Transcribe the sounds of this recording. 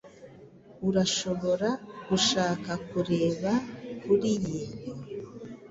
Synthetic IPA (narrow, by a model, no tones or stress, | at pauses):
uɾaʃo̞βo̞ɾaɡuʃaːkakuɾe̞ːβakuɾijiːn̥o